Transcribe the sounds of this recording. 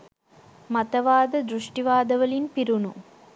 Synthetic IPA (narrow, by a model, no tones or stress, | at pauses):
mɐt̪ɐʋaːd̪ɐd̪ɾuʂʈiʋaːd̪ɐʋɐlinpiɾunu